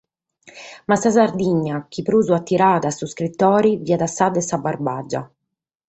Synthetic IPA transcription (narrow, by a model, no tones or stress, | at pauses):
masːasard̪iɲːak̟ipɾuːzuat̪ːiɾaːt̪asuskɾit̪ːɔːɾiviːad̪asːaːd̪ɛsabːarbaːd͡ʒa̰